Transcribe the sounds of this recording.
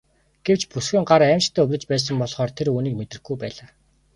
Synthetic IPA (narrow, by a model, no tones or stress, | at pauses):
ɡ̥ew̥t͡ɕpusxĭːŋɢaɾæːmt͡ɕt̪ʰæːɵwɘ̆t͡ɕpæːs̬ə̆mpɔɮχɔːrt̪ʰeɾuːniːk̚met̪rɘ̆xɡujpæːɮaː